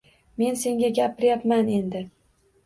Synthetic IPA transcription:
me̞nse̞ŋɡʲaɡʲapʰɪɾjapmane̞nd̪ɪ

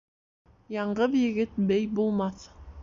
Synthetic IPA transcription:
jɑɴɢəðjɪɡɪt̪̚bejbolˠmɑθ

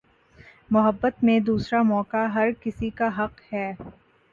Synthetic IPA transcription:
mʊɦəbːət̪mẽd̪uːsɾamɔːkaɦɐɾkɪsikaɦɐqhɛː

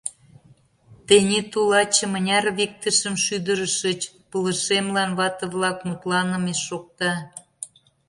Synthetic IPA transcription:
t̪enʲet̪ulɑt͡ɕə̆mə̆nʲɑrβik̚t̪əʃə̆mʃyd̪əɾəʃət͡ɕ | pələ̆ʃemlɑnβɑt̪ə̆βlɑkmut̪lɑnə̆meʃːok̚t̪ɑ

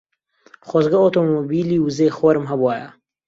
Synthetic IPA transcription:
χozɡɐoːt̪omobiːliːwzeːxoɾɨmɦɐbwaːjɐ̰

